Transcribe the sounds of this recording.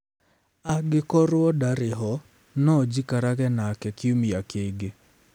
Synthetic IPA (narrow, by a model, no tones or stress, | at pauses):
aɡɪkɔɾʊɔdaɾɪɦɔ | nɔd͡ʒikaɾaɣɛnakɛkɪumijakeɡe